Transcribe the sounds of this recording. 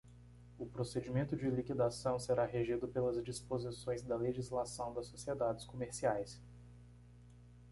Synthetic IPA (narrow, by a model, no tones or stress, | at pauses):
ʊpɾosed͡ʒimẽnt̪ʊd͡ʒɪlikid̪asɐ̃w̃seɾaɦeʒid̪ʊpelɐzd͡ʒispozisõj̃zd̪ɐleʒizlasɐ̃w̃d̪ɐsːosied̪ad͡ʒɪskomeɾsiajs